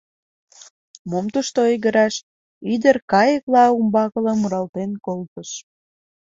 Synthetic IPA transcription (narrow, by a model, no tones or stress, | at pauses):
momt̪uʃt̪oiɣəɾɑʃ | id̪ərkɑjəklɑumbɑkələ̆muɾɑlt̪enkolpəʃ